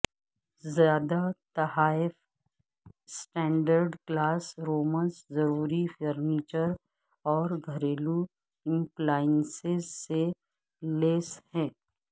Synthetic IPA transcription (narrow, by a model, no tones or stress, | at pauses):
zjaːd̪at̪ɐhaːɪf | sʈɛ̃ːɳɖəɾɖklaːsɾoːmə̃nszɐɾuːɾifəɾniːt͡ʃəɾ | ɔːɾɡʱɐɾeːlu | ɪ̃mplaːɪnsɪzse | leːshɛ̃ː